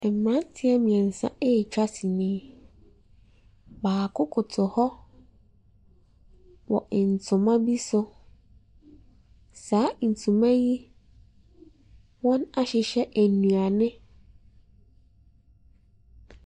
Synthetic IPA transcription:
ɛ˨m˨mːã˦n˦tʰɪ˦ɛ˦mĩ˨ɛ̃˨n̩˨sã̰˦e˦˨t͡ɕᶣa˦si˨nɪ̃˦ | baː˨kʰʊ˦kʰʊ˨tʰʊ˨hɔ˦ | wɔ˨ɪ˨n̩˨tʰʊ̃˨mã˦bi˦sʊ˦ | saː˨˦n̩˨tʰũ˨mã˦ji˦ | wɔ̃˦na˦ɕɪ˨ɕɛ˦ʔæ˨nũ˨a˨nɪ̃˦

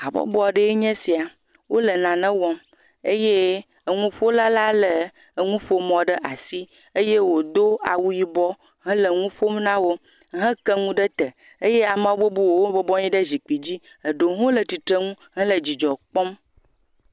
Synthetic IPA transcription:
a˨bɔ̰˦bɔ˦˨ɖə˦e˦ɲɛ̃˦si˨a˨ | wo˦lə˨nã˨nɛ̃˦wɔ˦m | e˦je˦ | ə˨ŋũ˦ɸo˦la˦la˦lə˨ | ŋũ˦ɸo˦mɔ̃˨ɖə˦ʔa˨si˦ | ə˦je˦wo˨d̪o˦a˨wu˦ji˦bɔ˦ | ɦɛ̃˦lə˨ŋũ˦ɸo˦m˦nã˦wo˦ | ɦə̃˦kə˦ŋũ˦ɖə˦t̪ə˨ | e˦je˦a˨mã˦wo˦bo˦bu˦wo˨wo˦bɔ˦bɔ˦ɲĩ˦ɖə˦zi˨k͡pi˨d͡ʑi˦ | ə˨ɖo˨ɦõ˦lə˨t̪i˨t̪ɾə˦ŋũ˦ | ɦɛ̃˦lə˨d͡ʑi˨d͡ʒɔ˨k͡pɔ˦m

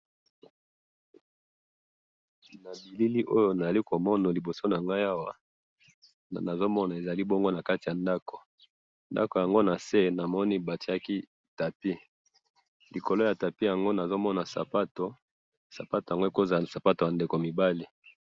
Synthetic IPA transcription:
na˨bi˨li˦li˦ʔo˦jo˦na˨za˨li˦ko˨mɔ˦na˨li˨bo˨so˦na˨ŋɡa˦a˦wa˨ | na˨zo˦mɔ˦na˨e˨za˨li˦bo˦ŋɡo˦na˨ka˦ti˨ja˨nda˦ko̥˨ | nda̰˦ko˨ja˨ŋɡo˦na˨se˦na˨mɔ˦ni˦ba˨ti˨˦a˦ki˦ | ta˨pi˦ | li˨ko˨lo˦ja˨ta˨pi˦ja˨ŋɡo˦na˨zo˦mɔ˦na˨sa̰˨pa˦to˨ | sa˨pa˦to˨ja˨ŋɡo˦e˨˦ko˦za˨sa˨pa˦to˨ja˨nde˨ko˨mi˨ba˦li˨

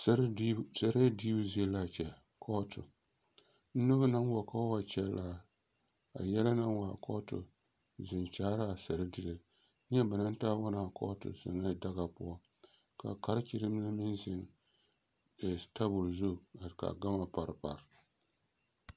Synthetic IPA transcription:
sɛ˨ɾe˦di˦bzi˦ɛ˦la˦˨t͡ʃɛ˨ | kʰɔ˦tʊ˨ | n̩˦nɨ˦bɨ˦na˦ŋwɔ˨ka˦wa˨t͡ʃɛ˦lla˦˨ | a̰˨jɛ˦la˦na˦ŋwa˨kʰɔ˦tʊ̰˨ | zɪ˨nt͡ʃaː˦ɾa˦˨sa˨ɾɨ˦dɨ˦lɨ˨ | ɲ˦ɛ˦ba˨na˦n˦taː˦wa˦na˨kɔ̰˦tʊ̰˨za̰˨ŋa˦da˦ɣa˨pʊ̰˦ɔ˦ | ka̰˨ka˦ɾt͡ʃi˨ɾɨ˦m˦na˦mɨ˦nzɪ˨n˨ | ta˦bʊ˨lzʊ˦˨a˨ka̰˨ɡa˦ma˨pa˨ɾpa̰˨ɾ

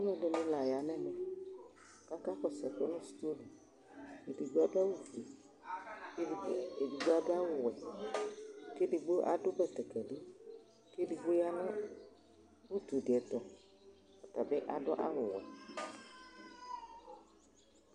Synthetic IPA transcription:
ɔ˦nɛ̃˦de˨nɪ̃˦la˨ja˨nɛ̃˦nɛ̃˦ | ka˦ka˦kɔ˨sɛ˨ko˦nʊ̃˦st̪o˦lu˨ | e˨di˨ɡ͡ba˦da˦wu˦fu˨e˨ | ke˦˨˦e˨di˨ɡ͡ba˦da˦wʊ˨wɛ˨ | ke˦di˨ɡ͡bo˦ʔa̰˨ɖʊ˦bɛ˨t̪ɛ˨kɛ˨ɖo˦ | ke˦di˨ɡ͡bo˦ja˦nã˦ | wu˦t̪u˨dɪ˨ɛ˨t̪ɔ˨ | a˨t̪a˨bɛ˦ʔa˨dʊ˦ʔa̰˦wʊ˨wɛ˨

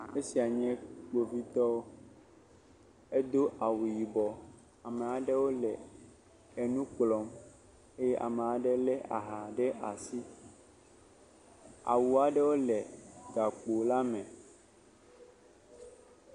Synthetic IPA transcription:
e˦si˨a˨ɲɛ̃˦k͡po˨vi˦t̪ɔ˦ | e˦d̪o˦ʔa˨wu˨ji˨bɔ˨ | a˨mẽ˨a˨ɖe˦wo˦lɛ˨ | e˨nũ˦k͡plɔ˦m | e˦jɛ˦ʔa̰˨me˨a˨ɖɛ˦lɛ˦ʔa̰˨ɦa˨ɖe˦ʔa̰˨si˦ | a̰˨wu˨a˨ɖɛ˦wo˦lɛ˨ɡa˨k͡po˨la˦mɛ̃˨

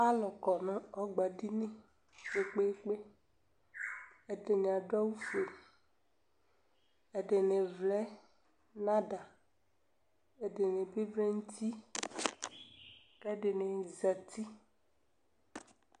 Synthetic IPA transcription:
a˦lɔ˨kɔ˨nɔ̃˦ɔ˦ɡ͡ba˨di˦nẽ˦ | k͡pe˨k͡pe˦k͡pe˦ | e˨de˨ɲã˨ɖɔ˦wu˦fe˨ | e˨ɖe˨ne˨vlɛ˦ | nã˦da˨ | e˨ɖe˨ne˨be˦vle˦ŋ̩˦t̪i˦ | kɛ˦ɖe˨ne˨za˨t̪i˦

